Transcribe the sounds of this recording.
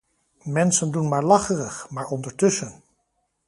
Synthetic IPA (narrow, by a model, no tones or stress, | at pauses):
mɛnsəndunmaːɹlɑχərəχmaːɹɔndəɹtɵsən